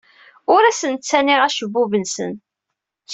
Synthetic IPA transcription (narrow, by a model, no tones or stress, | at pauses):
ʊɾæsənt͡sːænɪʁæʃəbːuvənsə̰n | ç